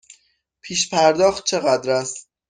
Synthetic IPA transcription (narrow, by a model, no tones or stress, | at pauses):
pʰiːʃpʰæɾd̪ɒːxt̪̚t͡ʃʰeɣæd̪ɾæst̪